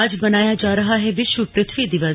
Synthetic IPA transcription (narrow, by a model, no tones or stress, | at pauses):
ɐd͡ʒbɐnaːjad͡ʒaːɾɐɦaɦɛʋɪʃʋəpɾɪt̪ʰʋid̪ɪʋə